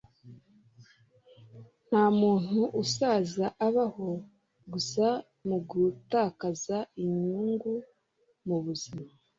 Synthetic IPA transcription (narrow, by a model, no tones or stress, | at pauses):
n̥haːmuːn̥huʔusaːzaʔaβaho̞ | ɡusa | muɡutaːkazaiɲuːŋɡu | muβuzima